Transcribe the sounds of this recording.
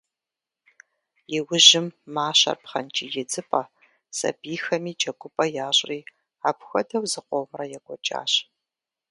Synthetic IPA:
jɪwʊʑɪmːaːɕɐ̰rpχɐ̰nt͡ʃʼḭːjɛd͡zɨpʼɐ | sɐ̰biːxɐmiːt͡ʃʼɐɡʷʊpʼɐjaːɕʼriː | aːpxʷɐdɐwzɨqʷoːmrɐjɛɡʷɔt͡ʃʼa̰ːɕ

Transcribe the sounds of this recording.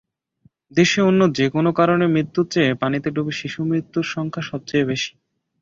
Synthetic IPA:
d̪eʃeonːod͡ʑekonokaɾonemɾit̪ːut͡ɕepanit̪eɖubiʃiʃumɾit̪ːuɾʃɔŋkʰaʃɔb̚t͡ɕeebeʃi̥

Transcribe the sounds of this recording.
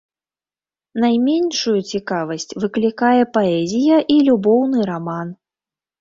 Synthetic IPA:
najmʲɛnʂujut͡sʲikavɐsʲt͡sʲvɨklʲikajɛpaɛzʲijɐʔilʲubɔwnɨɾaman

